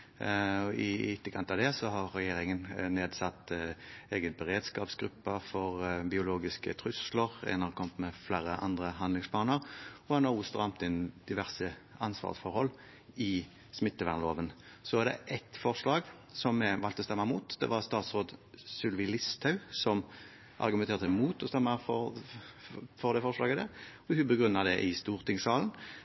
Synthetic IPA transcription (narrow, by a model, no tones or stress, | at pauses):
ɔʔɪɪt̪ːəkʰɑnt̪ɑd̪ɛsɔhɑʁːɛjeːɾɪŋənneːd̪sɑt̪ːeːɡət̪̚bɛɾeːd̪skɑːpsɡɾʁʉpːəfɔɾbɪʊloːɡɪskət̪ʰɾʉsləʁɛ̰nɑkʰɔmt̪mɛflæːɾəʔɑ̰nd̪ʁəɦɑnd̪lɪŋspʰɑːnəʁɔɑnɑʊst̪ʁɑmt̪ɪnd̪ɪʋæʁsəɑnsʋɑ̰ːʁsfɔɾhɔlː | ɪ | smɪt̪ːəʋæʁnloːʋən | sɔæːʁd̪ɛ̰ʔɛt̪fɔʁʂlɑːɡ | sɔmːɛʋɑlt̪ɔst̪ɛmːəmuːt̪d̪̥ɛ̰ʋɑʁst̪ɑːt̪sʁoːd̪sʉlʋɪlɪst̪ʰɑʉsɔm | ʔɑ̰ʁɡʉmɛnt̪ʰeːʁt̪əmuːt̪ʰɔst̪ɛmːəfɔ | fɔʁd̪ɛfɔʁʂlɑːɡəd̪ɛ | ɔhʉbəɡʁʉnːɑd̪ɛʔɪst̪uːʁt̪ʰɪŋsɑːln̩